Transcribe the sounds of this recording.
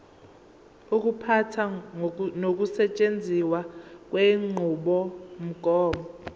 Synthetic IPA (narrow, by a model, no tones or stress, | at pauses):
uk̬upʰatʰa | nok̬usɛt͡ʃʼend͡zʱiwak̬weŋ͡ǃʱuɓɔm̩ɡ̥ʱɔːmɔ